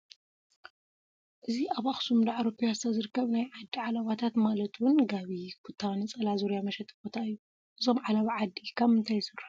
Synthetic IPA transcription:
ʔɨziaβaxsumd̪aʕaɾopʰujast̪ʰɐzɨɾɨkːɐβnajʕad̪ːiʕalaβat̪ʰat̪malɐt̪wʊnɡaβikʰut̪ʰːawnɨt͡sʼɐlazoɾjamɐʃɛt̪ʰʼːɨ̥bot̪ʰaɨjːu | ʔɨzo̞mʕalaβaʕad̪ːikʰɐβɨnt̪ʰajsɨrːa

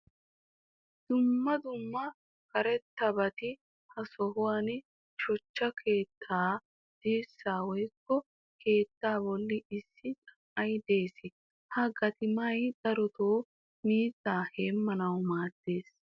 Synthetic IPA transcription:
d̪̥ʊmːɐd̪ʊmːɐ | kɐɾɛt̪ːɐbɐt̪ɪ | hɐsɔhʊwan | ʃɔt͡ʃːɐkʰe̞ːt̪ʰːaː | d̪̥iːsːaːwɔjkːɔ | kʰe̞ːt̪ːaːbɔlːɪɪsːɪt͡sʼɐ̥ʔɐjd̪e̞ːsɪ | hɐɡɐt̪ɪmɐjd̪̥ɐɾɔt̪oː | miːt̪ːaːheːmːɐnɐwmaːt̪ːe̞ːs

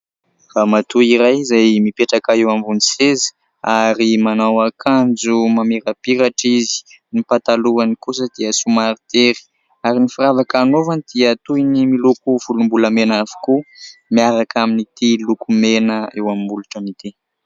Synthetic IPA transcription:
ramat̪uiɾajzajmipeʈ͡ʂakaewambunisez̥ | aɾimanawakʰand͡zumameɾapiɾaʈ͡ʂizi̥ | nipat̪aluanikus̬əd̪̥iəsumaɾt̪eɾi̥ | aɾinifiɾavakanovanid̪̥iət̪ujnimilukuv̥ulumbuləmenavu̥kumiaɾakʰaminit̪ilukumenəewamimbuluʈ͡ʂənit̪e

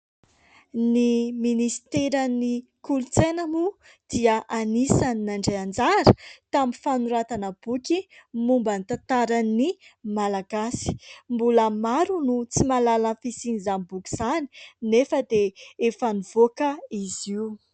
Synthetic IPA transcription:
niminisi̥t̪eɾəni | kulut͡senəmu | d̪̥iəʔanisaninaɳɖ͡ʐejand͡zaɾə̥t̪amifanuɾat̪anəb̥ukʲimumbənit̪ant̪aɾanimalaɡasi̥mbuləmaɾunut͡simalalanfisinizanibukʲi̥z̥ani̥nefəd̪eefaniv̥okəiziu

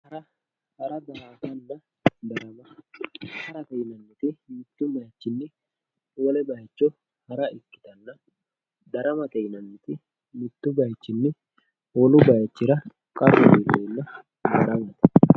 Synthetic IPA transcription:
hɐɾɐ | hɐɾɐb̪ɐhaːt̪ɐnːɐ | d̪ɐɾɐmɐ | hɐɾɐt̪ɛjnɐnːɪt̪ɪmɪt̪ːʊmɛjɐt͡ʃːɪnːɪ | wɔlɛbɐjt͡ʃːɔ | hɐɾɐɪkːɪ̥t̪ɐnːɐ | d̪ɐɾɐmɐt̪ɛjnɐnːɪt̪ɪ | mɪt̪ːʊbɐjt͡ʃːɪnːɪ | wɔlʊbɐjt͡ʃːɪɾɐ | kʼɐrːɔdelːenːɐ | d̪ɐɾɐmɐt̪ɛ̥

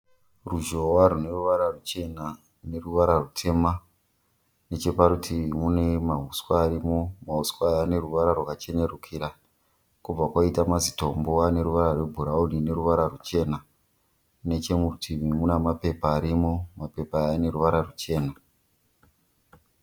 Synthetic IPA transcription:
ruʒowaɾune̞ruʋaɾarut͡ʃe̞na | ne̞ruʋaɾarutʰe̞ma | ne̞t͡ʃe̞paɾutʰimune̞maɦuskwaːɾimo̞maɦuskwajane̞ruʋaɾarwakat͡ʃe̞ne̞rukʰiɾa | kub͡vakwaitamazito̞mboane̞ɾuʋaɾarwe̞bʱuɾaunine̞ɾuʋaɾarut͡ʃe̞na | ne̞t͡ʃe̞mutʰiʋimunamape̞paːɾimo̞mape̞paːne̞ɾuʋaɾarut͡ʃe̞ːna

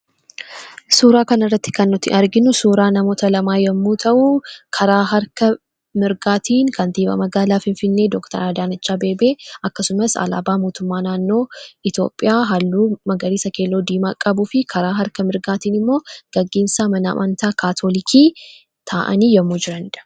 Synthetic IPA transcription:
suːɾaːkɐnɐrːɐt̪ːɪ̥kɐnːʊt̪ːɪ̰ʔɐɾɡɪnʊsuːɾaːnɐmo̞ːt̪ɐlɐmaːjɛmːuːt̪ʰɐʔuːkʰɐɾaːɦɐɾkɐ | mɪɾɡaːt̪ʰiːŋkɐnt̪iːbɐ̰mɐɡaːlaːfɪnfɪnːe̞ːd̪ɔkt̪ɐ̰ɾaːd̪aːnɐt͡ʃːaːbe̞ːbeːʔɐkːɐsʊmɐsɐ̰la̰ːbaːmo̞ːt̪ʊmːaːnaːnːo̞ːɪt̪jo̞̰ːpʼːɪjaːɦɐlːuːmɐɡɐɾiːsɐke̞ːlːoːd̪iːmaːkʼɐbʊfɪkʰɐɾaːɦɐɾkɐmɪɾɡaːt̪iːnɪmːo̞ːɡ̥ɐɡːeːnsaːmɐnaːmʔɐnt̪aːkʰaːt̪ʰoːlɪkʰiː | t̪ʰaːʔɐ̰niːjɛmːuːd͡ʒɪɾɐnɪᶑ̪ɐ̥

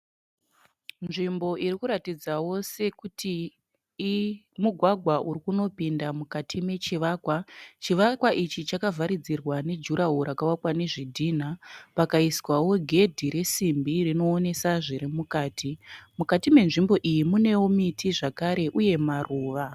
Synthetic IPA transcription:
nʐimbo̞ʔirikuɾatid͡zawo̞se̞kutʰi | muɡʱwaɡʱwaʔuɾikuno̞pindamukatʰime̞t͡ʃiʋaːkwat͡ʃiʋakwaʔit͡ʃit͡ʃakavʱaɾid͡zirwane̞d͡ʒuɾaɦuɾakawakwane̞ʐidʱiːn̤apakaiswawo̞ɡʱe̞dʱiɾe̞simbirino̞ːne̞saʐiɾimukaːtʰimukatime̞nʐimbo̞ʔijimune̞womitʰiʐakaɾe̞ʔuje̞marʔuːʋa

